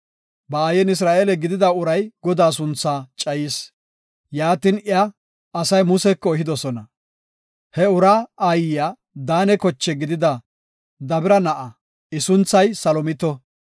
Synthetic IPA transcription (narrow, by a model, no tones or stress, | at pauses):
bɐaːjɛnɪs̬ɾaːʔeːlɛɡɪd̪ɪd̪ɐʊɾɐjɡɔd̪aːs̬ʊnt͡sːaːt͡ʃʼɐjiːs | jaːt̪inɪɐː | sɐjmʊsɛkːɔɛhɪd̪ɔsɔnɐ | hɛʊɾaːajɪjaː | d̪aːnɛkɔt͡ʃːɛɡɪd̪ɪd̪ɐ | d̪ɐbɪɾɐnɐʔɐ | ɪsʊnt͡sːɐjsɐlɔmɪt̪ɔ